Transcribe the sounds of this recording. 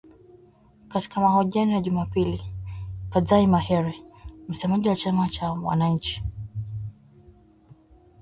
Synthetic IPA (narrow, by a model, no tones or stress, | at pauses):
kati̥kamahɔʄianijaʄumapilipazaimahɛɾɛm̩sɛmaʄiwat͡ʃamat͡ʃawa̰naɲ̩t͡ʃi̥